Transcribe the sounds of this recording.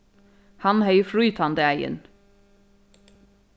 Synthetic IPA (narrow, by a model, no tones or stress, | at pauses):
hɑnhœʏfɾʉːt̪ʰɑnd̪əæɪə̰n